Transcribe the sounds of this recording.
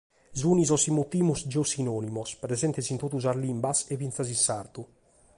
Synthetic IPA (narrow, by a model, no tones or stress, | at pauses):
zunizɔsimut̪imusd͡ʒosinɔnimospɾezɛnt̪esint̪ot̪uzaɾlimbasevint̪sazinsaɾt̪u